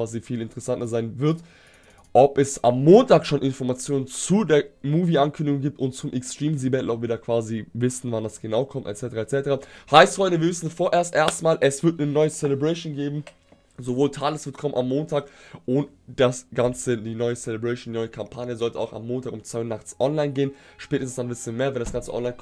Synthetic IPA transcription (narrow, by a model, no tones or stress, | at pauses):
aːzifiːlɪntə̥ʁɛsantɐzaɪnvɪɐt | ʔɔpɛsamːoːntaːkʃonʔɪnfɔɐmat͡sjoːnənt͡sudeːɐmuːviʔankʰʏndɪɡʊŋɡiːp̚tʊntt͡sʊmʔɛkstʁ̥iːmzibɛtl̩ɔpv̥iːɐdaːkv̥aːzivɪsn̩vandasɡ̥ənaʊkʰɔmtɛ̰tt͡sɛtəʁaɛtt͡sɛtəʁahaɪsthɔɪntəviːɐvɪsn̩dfoːɐʔeːɐstʔeːɐstmaːlʔɛsv̥ɪɐt̚nənɔʏət͡selɛbʁɛɪʃoːnɡeːbm̩ | zovoːltʰaːləsv̥ɪɐtkʰɔmənʔamːoːntʰaːkʔʊnt | d̥asɡ̥ant͡sədiːnɔʏət͡selebʁɛɪndinɔʏəkʰampʰaːnjəzɔltəa̰ʊxa̰mːoːntʰaːkʊmt͡sv̥aɪʊnaχt͡sʔɔnlaɪnɡeːənʃpɛːtəstn̩sd̥anbɪtsənmeːɐvɛndasɡ̥ant͡səʔɔ̰nlaɪn